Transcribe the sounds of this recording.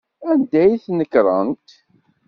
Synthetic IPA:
ænd̪æjθnəkɾˤənt̪

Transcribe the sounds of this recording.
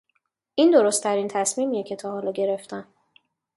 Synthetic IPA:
ʔind̪o̞ɾost̪ʰæɾiːnt̪ʰæsmiːmiːje̞cʰe̞t̪ʰɒːhɒːlɒːɟe̞ɾe̞ft̪ʰæn

